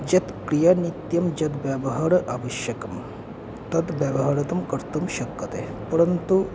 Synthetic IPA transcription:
d͡ʑɐt̪kɾijɐnit̪jɐmd͡ʑɐt̪ʋjabɐɦaɽʔaʋɐʃjɐkɐm | t̪ɐt̪ʋjaʋɐɦaɾɐt̪ɐmkɐɾt̪ɐmʃɐkːɐt̪e | pɐɾɐnt̪u

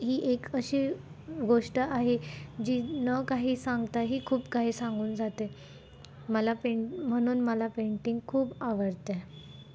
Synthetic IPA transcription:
ɦiːʔekəɕiː | ɡoʂʈəʔaɦed͡ʑiːnəkaɦiːsaŋɡt̪aɦiːkʰuːpkaɦiːsãŋɡuːnd͡zʱat̪e | məlapeɳm̤əɽ̃uːnməlapeɳʈiŋɡkʰuːpaʋəɾt̪e

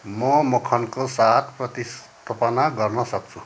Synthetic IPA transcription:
mʌmokʰʌnkosat̪ʰprʌt̪is | t̪ʰopʌnaɡʌrnʌsʌk̚t͡sʰu

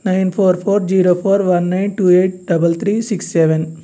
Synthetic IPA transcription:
najnpʰoːɾpʰoːɾd͡ʒiːɾoːpʰoːɾʋɐnːɐjnʈuːeːʈ̚ɖɐbɐlt̪ʰɾiːsiksːɛʋɛn

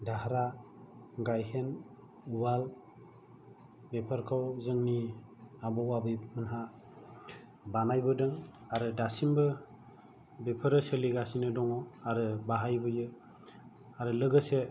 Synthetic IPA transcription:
daɦɾa | ɡajhen | uwal | bepʰəɾkʰawzɯŋni | abɔwabɯjmɯnɦa | banajbɯdɯŋ | aɾɯdasimbɯ | bepʰəɾɯseliɡasinɯdɔŋɔaɾɯbaɦajbɯjɯ | aɾɯlɯɡɯse

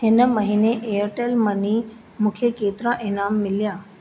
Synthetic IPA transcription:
ɦɪnə̆mɐɦiːneʔejəɾʈelmɐni | mũːkʰekeːt̪ɪɾãʔɪnaːmːɪlijãː

